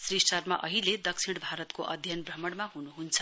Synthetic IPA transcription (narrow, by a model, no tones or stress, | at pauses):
srisʈʌrmaʔʌɦiled̪ʌksʰiɽ̃bʱaɾʌt̪koʔʌd̪ʱjʌnbrʌmʌɽmaɦunuɦunt͡sʰʌ̥